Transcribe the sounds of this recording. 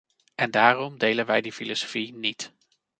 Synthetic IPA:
ʔɛndaːrɔmdejlənʋɛjdifilosofinit

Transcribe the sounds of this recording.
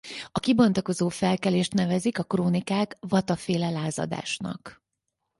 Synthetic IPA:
ɒkibo̞nt̪oko̞zoːfɛlkɛleːʃt̪nɛvɛzikɒkroːnikaːkvɒt̪ɒfeːlɛlaːzɒ̰d̪a̰ːʃnɒ̰k

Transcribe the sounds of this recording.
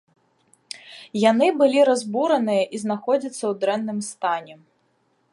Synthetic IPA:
janɨbɨlʲiɾazbuɾɐnɨjɐʔiznaxɔd͡zʲɐt̪sːɐwd̪ɾɛnːɨmst̪anʲɛ

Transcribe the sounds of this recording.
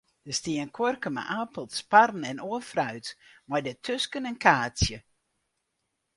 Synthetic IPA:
d̥əstiənkʰworkəma̰ʔaːpəlˠtsparn̩ɛnoəfrœɥtmɔjdətʰøskənɛnkʰaːsjə

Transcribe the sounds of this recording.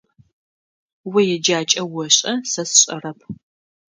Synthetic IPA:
wɐjɛd͡ʒaːt͡ʃʼɐwɔɕʼɐsɐsɕʼɐ̰rɐp̚ʰ

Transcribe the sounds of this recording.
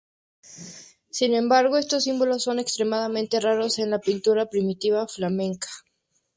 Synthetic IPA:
sinẽ̞mbaɾɣo̞e̞st̪o̞sːimbolo̞sːo̞ne̞kst̪ɾe̞maðamẽ̞nt̪e̞raɾo̞se̞nlapint̪uɾapɾimit̪iβaflamẽ̞ŋkḁ

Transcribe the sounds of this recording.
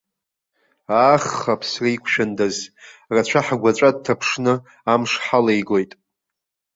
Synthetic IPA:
aχːapʰsraikʷʰʃᶣandazrat͡ɕʷʰaħɡʷat͡ʃʷʼad̚tʰapʰʂnɨ | amʂħalejɡojtʼ

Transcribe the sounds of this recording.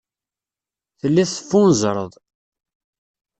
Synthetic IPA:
θəlːiθə̥fːunzˤɾˤəðˤ

